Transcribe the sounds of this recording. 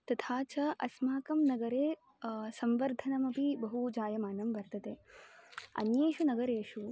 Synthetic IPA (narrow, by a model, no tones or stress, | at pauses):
t̪ɐt̪ʰaːt͡ʃɐɐsmaːkɐmnɐɡɐɾeː | sɐmʋɐɾd̪ʱɐnɐmɐpibɐɦud͡ʒaːjɐmaːnɐmʋɐɾt̪ɐt̪eː | ɐ̰njeːʃunɐɡɐɾeːʃu